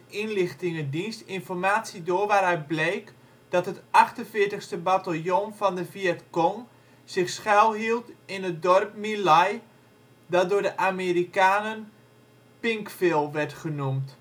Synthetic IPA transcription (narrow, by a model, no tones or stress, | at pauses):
inlɪxtɪŋədinstɪnfɔrmaːtsidoːʋaɾɛɥt̚bleːk | d̥ɔtɦətɑχtənfɪəɹtəxstəbatalˠjonvɔndəfiɛtkɔŋ | z̥ɪxsχɛlˠɦilˠtɪnət̚dɔrpmilaj | dɔt̚dʊːdəʔamerikaːnən | pɪŋkfɪlˠʋɛrtχənumt